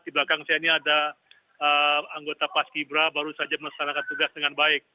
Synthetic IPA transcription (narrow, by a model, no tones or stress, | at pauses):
t̪iblakaŋsajaɲiada | əaŋɡot̪apaskibɾabaɾusad͡ʒamənakt̪anakant̪uɡasdəŋanbaɪk̚